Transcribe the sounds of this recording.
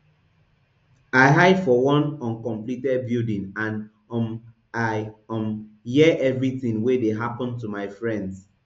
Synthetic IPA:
aɪɦaɪdfɔwɔ̃nɔ̃nkɔ̃mplitɛd̚bidĩŋãn | m | aɪɔ̃m | hiʔɛvɹiθĩŋwedeɦapɔ̃ntumaɪfɹɛ̃nds

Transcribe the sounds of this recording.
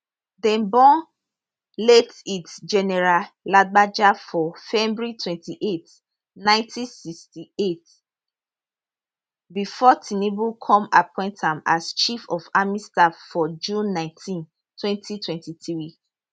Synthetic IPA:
dɛ̃nbɔ̃n | letitd͡ʒɛnɛɹalad̚ɡ͡bad͡ʒafɔfɛmbɹitʰwɛ̃ntiʔet | nãɪ̃ntʰĩsikstiet | bifɔtʰinebukʰɔ̃mapʰɔ̃ɪ̃ntãmast͡ʃifɔfamistafɔd͡ʒũnːãɪ̃ntʰĩn | tʰwɛ̃ntʰitʰwɛ̃ntiθii

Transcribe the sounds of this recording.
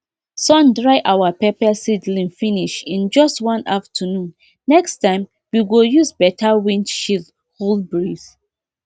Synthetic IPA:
sɔ̃ndɹaɪʔawapɛpɛsidlĩŋfĩniʃĩnd͡ʒɔstwɔ̃naftʰənũnː | ɛkstãɪ̃m | wiɡojuzbɛtʰawĩnʃil | holbɹiz

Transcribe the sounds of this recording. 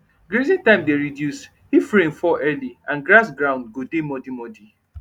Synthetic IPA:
ɡɾezĩntãɪ̃mdeɹidjus | hifɾẽnfɔʔɛliãnɡɾasɡɹãʊ̃ndɡodemɔdimɔdi

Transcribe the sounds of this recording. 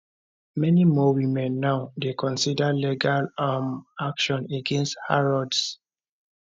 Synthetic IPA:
mɛnimɔwimɛ̃nːaʊdekʰɔ̃nsidaliɡalamakʃɔ̃neɡɛ̃nsthaɹɔds

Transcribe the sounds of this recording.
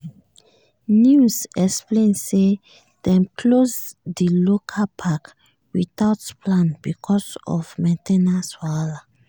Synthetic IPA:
njusɛksplẽnse | d̥ɛ̃mkʰlosdilokʰapʰak | witaʊtplãnbikʰɔsɔ̰vmɛ̃ntɛnaswala

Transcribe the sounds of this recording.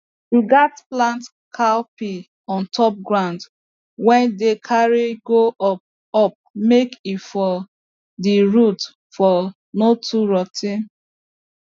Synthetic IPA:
iɡatplãnt | kʰapi | ɔ̃ntʰɔp̚ɡɹãʊ̃nd | wɛ̃ndekʰaɹiɡoɔ | ɔp̚mekifɔ | diɹut | fɔ | notʰuɹɔtʰĩn

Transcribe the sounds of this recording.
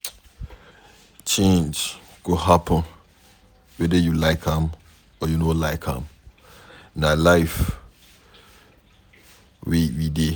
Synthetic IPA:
t͡ʃʰẽnd͡ʒ | ɡ̥oɦapʰə̃n | wɛdəjulaɪkʰãm | ɔjunolaɪkʰã̰m | nalaɪf | wewide

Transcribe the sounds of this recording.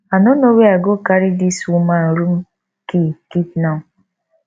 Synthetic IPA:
anonoweaɡokaɾidisuman̩ɾum̩ | kikitna

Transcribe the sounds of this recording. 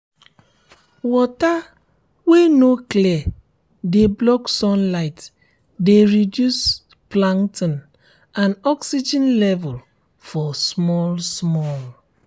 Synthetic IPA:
wɔta | wenokliɛ | deblɔksɔ̃nlaɪt | deɹidjus | plãntĩn | ãnɔksid͡ʒɛ̃nlɛvɔl | fɔsmɔlsmɔl

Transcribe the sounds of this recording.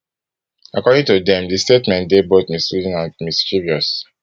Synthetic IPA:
akɔdĩŋtudɛ̃mdistetmɛ̃ntdebotmistud͡ʒĩnãnmist͡ʃuviɔs

